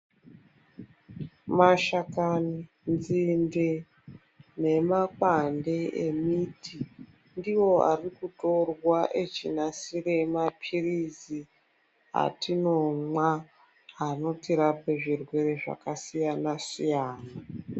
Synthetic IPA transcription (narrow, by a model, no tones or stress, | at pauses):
maʃakani | nd͡zinde | ne̞makwande̞ʔemiːtʰi | ndiwo̞a̰rikuto̞rwaʔet͡ʃinasire̞mapʰirizi | ɦa̰tino̞mwa | ano̞tiɾape̞ʐirwe̞re̞ʐa̰kasijanasijaːna